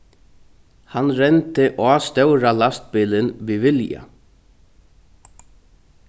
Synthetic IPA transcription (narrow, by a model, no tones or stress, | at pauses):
hanɾɛnt̪ɪʔaːst̪œwɾalast̪̚pɪːlɪnʋiʋɪlja̰